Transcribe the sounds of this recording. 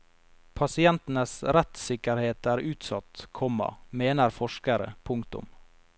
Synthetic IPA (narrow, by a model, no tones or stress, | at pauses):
pʰɑsɪɛnt̪n̩əsɾɛt̪sɪkəɾheːt̪æːɾʉːt̪sɑt̪kʰɔmːɑ̰meːnəɾfɔʂkəɾə̰pʰʊŋkt̪ʊ̰m